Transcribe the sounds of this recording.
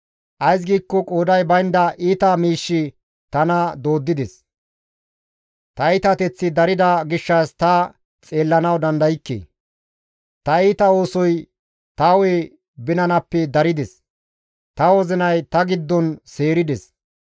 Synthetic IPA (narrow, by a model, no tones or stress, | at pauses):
ʔɐjs̬ɡiːkːɔkʼoːd̪ɐjbɐjnd̪ɐʔiːt̪ɐmiːʃːɪ | t̪ɐnɐd̪o̞ːd̪ːɪd̪ɛs | t̪ɐɪt̪ɐt̪ɛt͡sːɪd̪ɐɾɪd̪ɐɡɪʃːɐst̪ɐ | t͡sʼe̞ːlːɐnɐwd̪ɐnd̪ɐjɪkːḛː | t̪ɐiːt̪ɐo̞ːsɔj | t̪ɐweː | bɪnɐnɐpːɛd̪ɐɾɪd̪ɛs | t̪ɐwɔzɪnɐjt̪ɐɡɪd̪ːɔnse̞ːɾɪd̪ɛs